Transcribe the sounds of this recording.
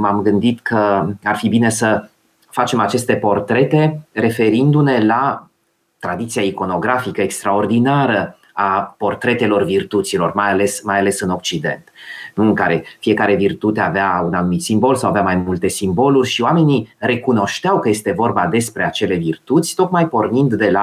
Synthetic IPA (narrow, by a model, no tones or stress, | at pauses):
mamɡɨnd̪it̪kʰəarfibine̞sə | fat͡ʃe̞mat͡ʃe̞st̪e̞po̞rt̪ɾe̞t̪e̞re̞fe̞ɾind̪une̞la | t̪ɾad̪it̪sijaiko̞no̞ɡɾafikəekst̪ɾao̞rd̪inaɾə | apo̞rt̪ɾe̞t̪e̞lo̞rvirt̪ut̪silo̞rmajale̞smajale̞sɨno̞k̚t͡ʃid̪e̞̰nt̪nuɨŋkaɾe̞fije̞kaɾe̞virt̪ut̪eaveaunanumit̪simbo̞lsawaveamajmult̪e̞simbo̞lurʲʃioame̞nire̞kuno̞ʃt̪eawkəje̞st̪e̞vo̞rbad̪e̞spɾe̞at͡ʃe̞le̞virt̪ut̪sʲt̪o̞k̪majpo̞rnind̪ːe̞la